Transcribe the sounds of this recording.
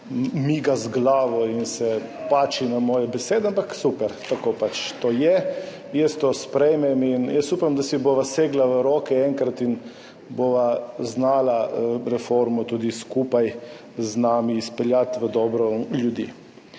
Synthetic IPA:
miɡazɡlaːʋɔinsɛpaːt͡ʃinamɔːjɛbɛseːd̪ɛampaksupɛɾt̪akoːpat͡ʃt̪ojɛ | jɛst̪ospɾɛjmɛminjəst̪upamd̪asiboːʋaseːɡlaʋəɾoːkɛɛŋkɾat̪in | boːʋaznaːlaɾɛfoɾmɔt̪uːd̪iskuːpaj | znaːmiːspɛljat̪ʋəd̪ɔːbɾɔljud̪ḭː

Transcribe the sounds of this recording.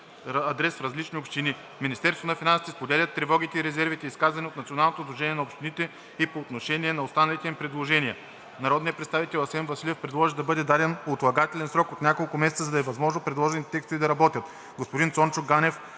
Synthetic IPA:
ɐd̪ɾɛsfɾɐzlit͡ʃniopʃt̪ini | minist̪ɛɾst̪onɐfinansi̥t̪ispod̪ɛlʲɐt̪ːɾɛvɔɡʲit̪ɛiɾɛzɛɾvit̪ɛiskazvɐnɛot̪nɐt̪sionalˠnot̪od̪lˠoʒɛnʲiɛnɐopʃt̪init̪ɛ | ipoːt̪noʃɛniɛnɐost̪anɐlit̪ɛmipɾɛd̪lˠoʒɛnʲiə | nɐɾɔd̪nijəpɾɛt̪st̪avit̪ɛlˠɐsɛnvɐsilʲɛfpɾɛd̪lˠɔʒid̪ɐbɤd̪ɛd̪ad̪ɛnot̪lˠɐɡat̪ɛlʲɛnsɾɔkot̪nʲakolˠkʊmɛsɛt̪səzɐd̪ɐɛvɐzmɔʒnopɾɛd̪lˠɔʒɛnit̪ɛt̪ɛkst̪ovid̪ɐɾɐbɔt̪ʲjət̪ | ɡospʊd̪insɔntt͡ʃʊɡɡanɛf

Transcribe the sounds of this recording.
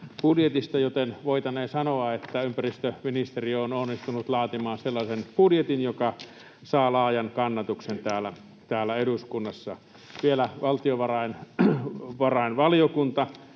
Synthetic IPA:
pudjet̪ist̪ɑjot̪enʋoit̪ɑneːsɑnoɑet̪ːæympærist̪øminist̪eriononːist̪unut̪lɑːt̪imɑːnselːɑsenpudjet̪injokɑ | sɑːlɑːjɑnkɑnːɑt̪uksent̪æːlæ | t̪æːlːˑæeduskunːɑsːɑ̰ | ʋielæʋɑlt̪ioʋɑrɑin | ʋɑrɑinʋɑlijokunt̪ɑ

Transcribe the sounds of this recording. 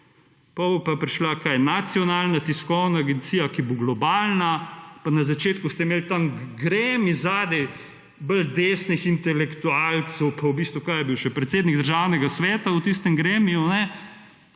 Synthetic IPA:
pɐbpapɾiʃlakajɛnat̪sijɔnaːlnat̪iskɔwnaːɡɛnt̪siːjakiboɡlɔbaːlnapanazat͡ʃeːt̪kust̪ɛmeːlt̪amɡɾemizaːd̪ɛ | bəld̪eːsnixint̪ɛlɛkt̪ualt̪sɔwpawbiːst̪ʋukajɛbiwʃɛpɾɛt̪seːd̪niɡd̪əɾʒaːwnɛɡasʋɛːt̪awt̪ist̪ɛmɡɾeːmijunɛ

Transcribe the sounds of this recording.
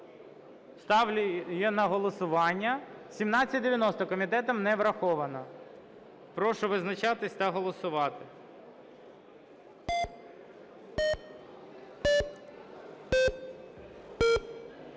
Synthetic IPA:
st̪ɑʋlʲjɛnɐɦɔlˠɔsʊʋɑnʲːɐsʲimnɑt͡sʲːɐt̚ʲd̪eʋjɐnɔst̪ɔkɔmʲit̪ɛt̪ɔmnɛʋɾɐxɔʋɐnɐ | pɾɔʃʊʋɪznɐt͡ʃɑt̪ɪsʲt̪ɐɦɔlˠɔsʊʋɑt̪ɪ

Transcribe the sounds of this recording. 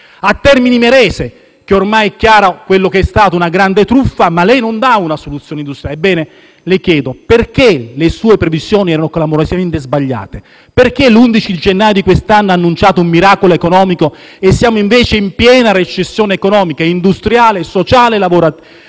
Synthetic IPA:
at̪ːɛrminimeɾɛːse | k̟eormajɛkːjaːɾakwelːokeɛst̪aːt̪ounaɡɾand̪et̪ɾufːamalɛjnond̪aunasolut̪sːjoːneind̪ust̪ɾjalebːɛːne | lekjɛːd̪operk̟elesuːepɾevizjoːniɛːɾanokolamoɾosiament̪ezbaʎːa̰ːt̪e | perkelund̪it͡ʃid̪id͡ʒenːaːjod̪ikwest̪anːanːunt͡ʃaːt̪oumːiɾaːkoloekonɔːmikoesːjaːmoiɱveːt͡ʃeimpjɛːnaret͡ʃesːjoːnekonɔːmikaind̪ust̪ɾjaːlesot͡ʃaːlelavoɾa

